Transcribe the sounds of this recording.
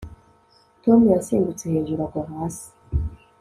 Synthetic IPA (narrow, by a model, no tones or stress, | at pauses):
tomujasiːndut͡seheːɲʒuɾakwaɦaːsi̥